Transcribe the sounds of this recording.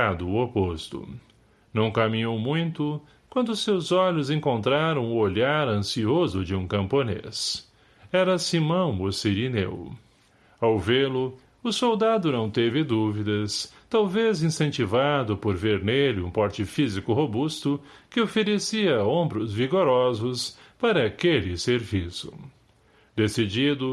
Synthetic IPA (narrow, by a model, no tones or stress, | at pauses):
ad̪ʊopost̪ʊ̰ | nɐ̃w̃kamĩɲowmũj̃t̪ʊ | kwɐ̃nd̪ʊʊsewzɔʎʊzẽŋkõnt̪ɾaɾɐ̃w̃ʊoʎaɾɐ̃siozʊd͡ʒɪũkɐ̃mponḛs | ɛɾɐsimɐ̃w̃ʊsiɾinḛw | awvelʊ | ʊsowd̪ad̪ʊnɐ̃w̃t̪evɪd̪uvid̪ɐst̪awvezĩsẽnt͡ʃivad̪ʊpoɾveɾnelɪũpɔɾt͡ʃɪfizikʊɦobust̪ʊkɪofeɾesiɐõbɾʊzviɡoɾɔzʊspaɾɐakelɪseɾvisʊ | d̪esid͡ʒid̪ʊ